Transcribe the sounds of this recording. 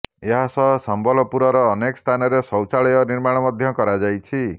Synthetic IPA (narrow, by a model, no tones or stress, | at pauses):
eɦasɔɦsɔmbɔlɔpuɾɔɾɔːnekɔst̪ʰanɔɾesɔwt͡ʃaɭɔjɔniɾmaɽ̃ɔmɔd̪ʱjɔkɔɾad͡ʒajt͡ʃʰi